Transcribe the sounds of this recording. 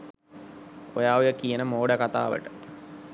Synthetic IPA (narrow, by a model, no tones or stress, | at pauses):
ojaːujəkijənəmoːɖəkat̪a̰ːʋə̰ʈə